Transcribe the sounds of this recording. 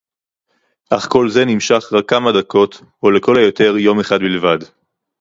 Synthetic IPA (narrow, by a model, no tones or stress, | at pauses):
ʔaχko̞lze̞nimʃaχʁakːamadakʰo̞t̪ | ole̞ko̞lajote̞ʁjo̞me̞χad̪bilvad